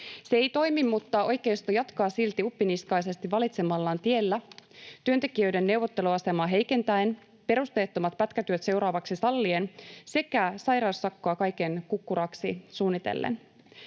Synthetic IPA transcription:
seejt̪o̞jmimːut̪ːɑʔo̞jke̞ust̪ojɑt̪kɑːsilt̪iupːiniskɑjse̞st̪iʋʋɑlit̪semɑlːɑːnt̪ie̞lːæt̪yønt̪e̞kiø̞jde̞nːe̞wʋo̞t̪ːeluɑse̞mɑːɦe̞jke̞nt̪æen | pe̞ɾust̪e̞ːt̪ːo̞mɑt̪pæt̪kæt̪yøt̪se̞uwɾɑːʋɑksisɑlːiense̞kæsɑjɾɑwsːɑkːoɑkɑjke̞nkukːuɾɑksisuːnːit̪ḛlːḛn

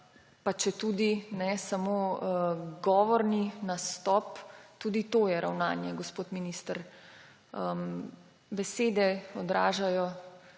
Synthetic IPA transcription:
pat͡ʃɛt̪uːd̪inɛsamo | ɡɔːʋɔɾninast̪ɔpt̪uːd̪it̪oːjɛɾawnaːnjɛɡɔspoːt̪minist̪əɾ | əm | bɛseːd̪ɛɔd̪ɾa̰ːʒajɔ

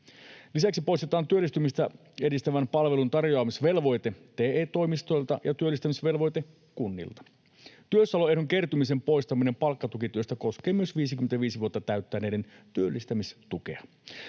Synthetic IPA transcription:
lisæksipo̞jst̪et̪ɑːnt̪yølːist̪ymist̪æ | e̞dist̪æʋænpɑlʋe̞lunt̪ɑrjo̞ɑmisʋe̞lʋo̞jt̪e̞t̪e̞ːeːt̪o̞jmist̪o̞jlt̪ɑjɑt̪yølːist̪æmisʋe̞lʋo̞jt̪e | kunːḭlt̪ɑ̥ | t̪yøsɑloeɾuŋke̞rt̪umis̬e̞mpo̞jst̪ɑmine̞mpɑlkːɑt̪ukit̪yøst̪æko̞sk̟e̞ːmyøsʋiːsikyment̪æʋiːsiʋuot̪ːɑt̪æɥt̪ːæne̞ːde̞nt̪yølːist̪æmist̪uke̞̰ɑ

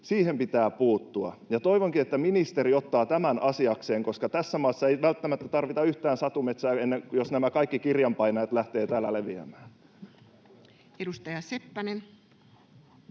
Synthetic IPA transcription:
siːhempit̪æːpuːt̪ːuɑ̰jɑt̪o̞iʋoŋkiet̪ːæminist̪eɾio̞t̪ːɑːt̪æmænʔɑsiɑkseːŋko̞skɑt̪æsːæmɑːsːɑejʋælt̪ːæmæt̪ːæt̪ɑrʋit̪ɑyht̪æːnsɑt̪umet̪sæːenːeŋjosnæmækɑikːikirjɑmpɑjnɑjɑt̪læht̪eːt̪æːlːæleʋiæ̰mæːn | edust̪ɑjɑsepːænen

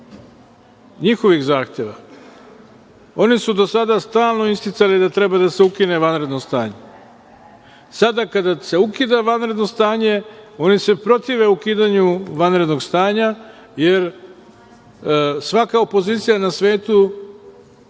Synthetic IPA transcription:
ɲixo̞ʋixzaːxt̪je̞ʋa | o̞nisud̪o̞sad̪ast̪aːlˠno̞ist̪it̪salid̪at̪ɾe̞bad̪aseukine̞ʋanɾe̞d̪nost̪aːɲe̞ | sad̪akad̪ase̞ukid̪aʋanɾe̞d̪no̞st̪aːɲe̞o̞nise̞pɾo̞t̪iʋe̞ukiːd̪aɲuʋanɾe̞d̪no̞ɡst̪aːɲa | je̞ɾ | sʋakao̞po̞ziːt̪sijanasʋe̞ːt̪u

